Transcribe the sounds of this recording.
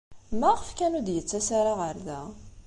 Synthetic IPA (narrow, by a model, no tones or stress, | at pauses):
mæʁəfkænud̪jət͡sːæsaɾaʁəɾðæ̰